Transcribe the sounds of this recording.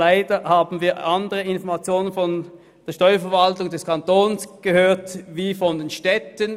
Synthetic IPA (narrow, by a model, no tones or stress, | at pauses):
laɪdəhaːbn̩viːɐʔandəʁəɪnfɔɐmat͡sjoːnənfɔn | d̥eːɐʃtɔʏɐfɛɐvaltʊŋdɛskʰantoːnsɡ̥əhøːɐtviːfɔndenʃtɛtən